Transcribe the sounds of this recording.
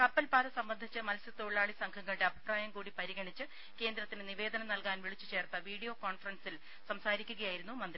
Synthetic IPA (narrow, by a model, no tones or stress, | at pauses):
kɐpːɐlpaːd̪ɐsɐmbɐnd̪ʱit͡ɕːɨmɐlsit̪oɭɭaːɭisɐŋkʰɐŋːɐɭʈeɐbʱi̥praːjɐmkuːɽipɐɾiɣɐɳit͡ɕːɨ | ke̞ːnd̪ɾɐt̪ːineniʋe̞ːd̪ɐnɐmnɐlkaːnʋiɭit͡ɕːɨt͡ɕe̞ːrt̪ɐʋiːɽijoːkoːnfɐrɐnsil | sɐmsaːɾikʲːuɣɐjaːjiɾunːumɐnd̪ri